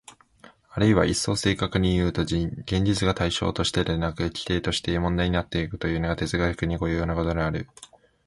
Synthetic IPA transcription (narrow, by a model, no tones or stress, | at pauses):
aɾɯ̟iβa̰ʔisːo̞ːse̞ːkakɯ̟ɲ̟ijɯ̟ːt̪o̞ɡẽ̞ɲ̟d͡ʑit͡sɨɡat̪aiɕo̞̰ːt̪o̞ɕi̥t̪e̞d̪enakɯ̟ekʲi̥t̪e̞ːt̪o̞ɕi̥t̪e̞mõ̞nd̪aiɲ̟inat̪ːe̞ikɯ̟̥t̪o̞jɯ̟ːno̞ɡat̪e̞zɨɡaɯkɯ̟ɲ̟iɡo̞jɯ̟joːnako̞t̪o̞ɡeaɾɯ̟